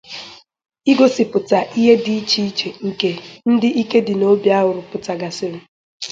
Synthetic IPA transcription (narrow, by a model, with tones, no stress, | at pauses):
i˦ɡo˦sɪ˨pʊ˨ta˨ʔi˦ɦe˦di˦i˦t͡ʃi˦i˦t͡ʃe˨ŋ̩˨ke˨n̩˦dɪ˦ʔi˦ke˦dɪ˨no˦bja˦ɦʊ˨ɾʊ˨pʊ˨ta˨ɡa˨sɪ˦ɾɪ˦